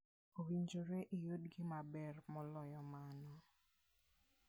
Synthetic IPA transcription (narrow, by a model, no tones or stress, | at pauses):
owiɲd͡ʒoɾɛʔijodɡɪmabɛrmɔlɔjɔmanɔ